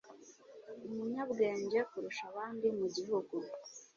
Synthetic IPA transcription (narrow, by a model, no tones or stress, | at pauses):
umuɲabɡe̞ːɲɟe̞kuɾuʃaβaːndimuɟiɦuɡu